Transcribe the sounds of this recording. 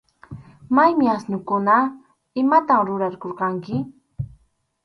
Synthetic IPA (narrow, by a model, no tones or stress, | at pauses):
majmɪasnʊkʊna | ɪmat̪amɾʊɾaɾkoɾqɑŋkɪ